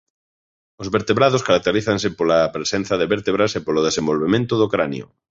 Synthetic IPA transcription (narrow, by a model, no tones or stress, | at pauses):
ozβeɾt̪eβɾaðoskaɾak̚t̪eɾiθansepolapɾesẽn̟θaðeβeɾt̪eβɾasepoloð̞esembolβemẽnt̪ʊðokɾanjo̰